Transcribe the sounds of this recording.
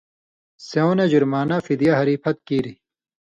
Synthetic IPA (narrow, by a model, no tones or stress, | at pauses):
seonɐd͡ʑuɾmaːnafid̪ijaɦɐɾiːpʰɐt̪̚kiːɾi